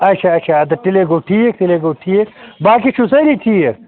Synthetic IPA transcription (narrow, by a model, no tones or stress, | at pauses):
ɐt͡ʃʰaɐt͡ʃʰaɐt̪ɐʈileɡoːʈʰiːek̚ʈileɡoːʈʰiːekbaːkit͡ʃʰusɐɾiʈʰiːek